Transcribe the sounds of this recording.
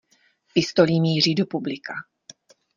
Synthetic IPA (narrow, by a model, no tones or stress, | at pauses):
pɪst̪o̞limiːriːdo̞publɪkʰa